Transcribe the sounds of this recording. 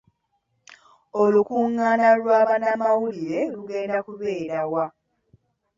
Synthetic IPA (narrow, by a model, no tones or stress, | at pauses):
olukuːŋːanalwaːβanamawuliɾe̞luɡe̞ːndakuβe̞ːɾawa